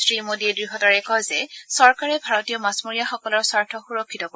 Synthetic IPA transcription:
sɹimodiɛdɹixɔtaɹɛkɔjzɛsɔɹkaɹɛbʱaɹɔtijɔmasmoɹijaxɔkɔlɔɹsaɹtʰɔxuɹɔkʰːitɔko

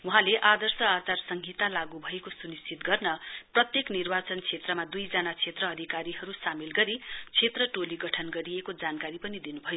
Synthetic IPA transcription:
wuɦãleʔad̪ʌrsʌat͡sarsʌŋɡʱit̪alaɡubʱʌekosunist͡sʰit̪ɡʌrnʌprʌt̪jeknirbat͡sʌnt͡sʰet̪rʌmad̪ujd͡zʌnat͡sʰet̪rʌːd̪ʱikaɾiɦʌɾusamilɡʌɾit͡sʰet̪rʌʈoliɡʌʈʰʌnɡʌɾiekod͡zankaɾipʌnid̪inubʱʌjo

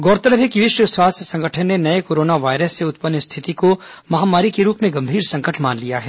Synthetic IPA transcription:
ɡɔːɾt̪əɾəbʰekiʋɪʃwəswaːst̪jəsɐ̃ŋɡəʈʰənnenɐekoːɾoːnaʋaːɪɾəsːeʊt̪̚pənjəst̪ʰɪt̪iko | mɐɦaːmaːɾikeɾuːpmẽɡɐ̃mbʱiːɾsɐ̃ŋkəʈʰmaːnlijaɦɛː

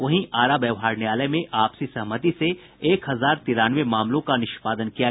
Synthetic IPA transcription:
ʋɐɦĩʔaːɾabjɛːʋɦaːɾneaːləmẽʔaːpsisɐɦmət̪ise | eːkɦɐzaːɾt̪iɾaːnʋemaːmlõkanɪʃpaːd̪ənkija

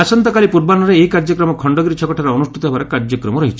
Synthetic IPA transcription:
asɔnt̪ɔkalipuɾbanɔɾeːikaɾd͡ʒɔkɾɔmɔkʰɔɳɖɔɡɾit͡ʃʰɔkɔʈʰaɾɔɔnusʈʰit̪ɔɦebaɾekaɾd͡ʒɔkɾɔmɔɾɔɦit͡ʃʰi

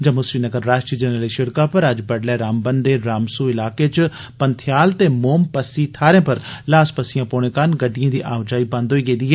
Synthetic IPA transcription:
d͡ʒamʊsʋiːnəɡəɾːaːʃʈɾiːd͡ʒənəliːʃɪɽkaːpəɾəd͡ʒbəɽlɛːɾaːmbənd̪eːɾaːmsuːɪlaːkeːt͡ʃ | pənt̪ʰɪjaːlt̪eːmoːmpəsiːt̪ʰaːɾjẽːpəɾlaːspəsɪjãːpoːɳẽːkanɡəɖːijãːd̪iːʔaːʊd͡ʒaːiːbãnd̪ɦoiːɡeːd̪iːɦɛː

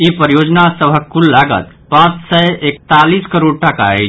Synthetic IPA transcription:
ipəɾjod͡ʒnasəbʱəkːulːaɡə̰t̪ | pãt͡ʃsəjekt̪aliskəɾoɽʈaka̰ḛ

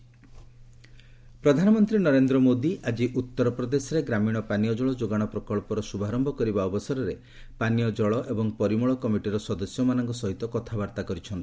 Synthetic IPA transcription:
pɾɔd̪ʱanɔmɔnt̪ɾinɔɾend̪ɾɔmod̪iʔad͡ʒiʔut̪ːɔɾɔpɾɔd̪esɔɾeɡɾamiɽ̃ɔpanijɔd͡ʒɔɭɔd͡ʒoɡaɽ̃ɔpɾɔkɔɭpɔɾɔsubʱaɾɔmbʱɔkɔɾibaɔbɔsɔɾɔɾe | panijɔd͡ʒɔɭɔʔebɔŋpɔɾimɔɭɔkɔmiʈiɾɔsɔd̪ɔsjɔmanɔŋkɔsɔɦit̪ɔkɔt̪ʰabaɾt̪akɔɾit͡ʃʰɔnt̪i̥

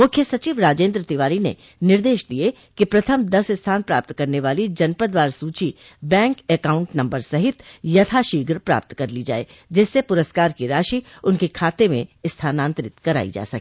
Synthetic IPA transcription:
mʊkʰjəsɐt͡ʃiːʋɾaːd͡ʒẽːnd̪ɾət̪ɪʋaːɾinḛ | nɪɾd̪eːʃd̪ie | kepɾɐt̪ʰəmd̪ɐsɪst̪ʰaːnpɾaːp̚t̪kɐɾneʋaːlid͡ʒɐnpəd̪ʋaːɾsuːt͡ʃi | bɛ̃ːŋkekaːʊ̃ɳʈnɐ̃mbəɾsɐɦɪt̪jɐt̪ʰaʃiːɡɾpɾa̰ːp̚t̪kɐɾlid͡ʒa̰ːḛː | d͡ʒɛːsːepʊɾəskaːɾkiɾaːʃiʊnkekʰaːt̪emḛ̃ɪst̪ʰaːnãːnt̪ɾɪt̪kɐɾa̰ːḭd͡ʒa̰ːsɐkː

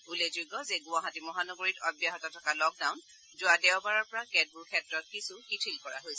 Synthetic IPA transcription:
ulezuɡɔzɛɡʊaɦatimɔɦanɔɡoɹitɔbjaɦɔtɔtʰɔkalɔk̚daʊn | zʊadɛʊbaɹɔɹpɔɹakɛd̚buɹkʰɛtɹɔt̚kisukitʰilkɔɹa̰ɦojsɛ

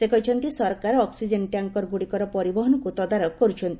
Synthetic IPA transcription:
sekɔɦit͡ʃʰɔnt̪isɔɾkaɾɔɔksid͡ʒenʈjaŋkɔɾɡuɽikɔɾɔpɔɾibɔɦɔnɔkut̪ɔd̪aɾɔkːɔɾut͡ʃʰɔnt̪i̥

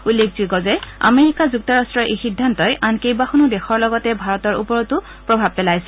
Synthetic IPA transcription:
ulːek̚ʰziɡɔzɛja̰meɹikazuk̚tɔɹastɹɔʔixidʱːantɔjʔankejbaxunudɛxʰɔɹlɔɡɔtɛbʱaɹɔtɔɹṵpɔɹɔtʊ | pɹɔbʱab̚pɛlajsɛ̥

